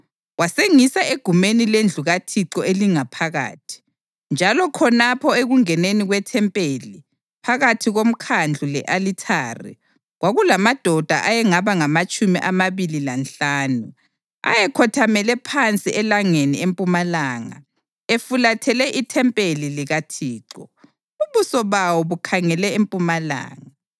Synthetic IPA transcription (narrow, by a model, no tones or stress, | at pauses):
waseŋisaeɡ̥ʱumenilend͡ɮʱuɣatʰiǀɔʔeliŋapʰaɣa̰ːtʰi̥ | nd͡ʒʱalɔkʰɔnapʰɔeɣuŋɛneniɣwɛtʰɛmpʼeli | pʰaɣatʰiɣom̩kʰand͡ɮʱulɛʔalitʰaːrḭ | ɣwaɣulamad̥ʱɔd̥ʱaʔajɛŋaβaŋamat͡ʃʼumiʔamaβililanɬaːnu | a̰jɛkʰɔtʰamɛlɛpʰant͡sʼiʔɛlaŋeniempʼumalaːŋa̰ | efulatʰɛlɛʔitʰɛmpʼeliliɣatʰiːǀɔ | uuβusɔβawɔβukʰaŋɛlɛempʼumala̰ːŋa